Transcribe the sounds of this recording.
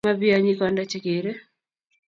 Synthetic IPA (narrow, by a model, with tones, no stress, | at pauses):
a˦bi˦aɲi˦kɔndat͡ʃe˦ke˨ɾe˦